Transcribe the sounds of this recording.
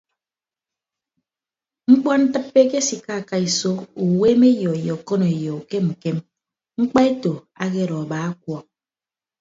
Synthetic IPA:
ŋ͡m̩˦k͡pɔ˦n̩˦tɨ˦pːe˦ke˦si˨ka˦˨ka˦i˨so˦ku˨we˦me˦jɔ˨e˨jɔ˨ko˦no˨e˨jɔ˨u˨ke˦m̩˨ke˦m | ŋ͡m̩˦k͡pa˦e˦to˨ | a˦ke˦ɾɔ˨baː˨˦a˦k̚wɔ˨k̚

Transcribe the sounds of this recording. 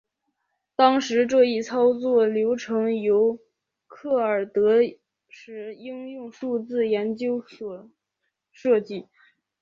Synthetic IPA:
t̪ɑ˥ŋʂɻ̩˧˥ʈ͡ʂɤ˥˧i˥˩t͡sʰɑ˥ʊt͡swɔ˥˩ljo˧˥ʊʈ͡ʂʰɤ˧˥ŋjo˧˥ʊ | kʰɤ˥˩ə˞˨˩t̪ɤ˧˥ | ʂɻ̩˧˥i˥ŋjʊ˥˧ŋʂu˥˧t͡sɹ̩˥˩jɛ˧˥nt͡ɕjo˥ʊ˧˩ | ʂɤ˥˧t͡ɕi˥˩

